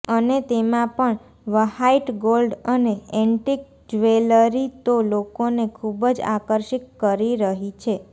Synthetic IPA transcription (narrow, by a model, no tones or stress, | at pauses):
ənet̪emãpəɳ | ʋəhaiʈɡolɖəneɛ̃ɳʈik̚ | d͡ʒʋeləɾit̪olokonekʰubəd͡ʒa̰kəɾʃikːəɾiɾəɦit͡ʃʰe